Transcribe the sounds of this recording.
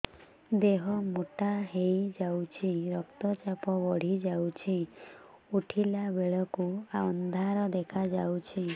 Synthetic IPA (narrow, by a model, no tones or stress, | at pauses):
d̪eɦɔmuʈaɦejd͡ʒawt͡ʃʰiɾɔkt̪ɔt͡ʃapɔbɔɽ̤id͡ʒawt͡ʃʰi | uʈʰilabeɭɔkuaɔnd̪ʱaɾɔd̪ekʰad͡ʒawt͡ʃʰi